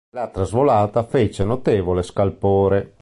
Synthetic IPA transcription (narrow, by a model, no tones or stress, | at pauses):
lat̪ːɾazvolaːt̪afet͡ʃenot̪ɛːvoleskalpoːɾe